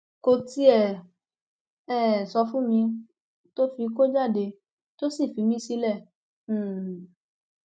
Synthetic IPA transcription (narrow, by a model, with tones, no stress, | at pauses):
ko˧ti˦ɛ˨ | ɛ˦˨sɔ˧fũ˦mĩ˧ | to˦fi˧˦ko˦d͡ʒa˦˨de˧ | to˦si˦˨fi˨˧˦mĩ˦si˧˦lɛ̃˦˨˦